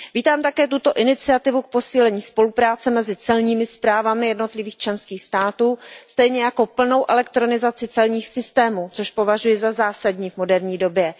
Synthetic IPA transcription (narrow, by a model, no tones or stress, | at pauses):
viːt̪aːmt̪akɛːt̪ut̪o̞ʔɪnɪt͡sɪat̪ɪvuk̚po̞siːlɛɲiːspo̞lupɾaːt͡sɛmɛzɪt͡sɛlɲiːmɪspɾaːvamɪjɛdno̞t̪lɪviːxt͡ʃlɛnskiːxst̪aːt̪uːst̪ɛjɲɛjako̞pl̩no̞wʔɛlɛkt̪ɾonɪzat͡sɪt͡sɛlɲiːxsɪst̪ɛːmuːt͡soʃpo̞vaʒujɛzazaːsadɲiːvmo̞dɛɾɲiːdo̞bjɛ